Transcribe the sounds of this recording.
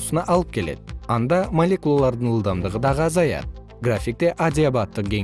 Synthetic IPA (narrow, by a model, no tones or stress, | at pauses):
sənɑʔɑlˠəp̚kʲʰe̞le̞̰d̪ɪɑnd̪ɑmolʲe̞kulˠalˠɑɾd̪əɴəlˠd̪ɑmd̪əʁəd̪ɑʁəɑzɑjɑ̰d̪ə | ɡrafik̚t̪e̞ʔad̪ʲɪabat̪ːəq̚ɡʲe̞